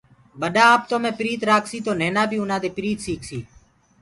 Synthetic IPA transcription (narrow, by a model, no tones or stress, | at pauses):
ɓəɗaːaːpt̪oːmẽːpɪɾiːt̪ɾaːkʰsiːt̪oːneːnaːbʱiːʊnãːd̪eːpɪɾiːt̪siːkʰsiː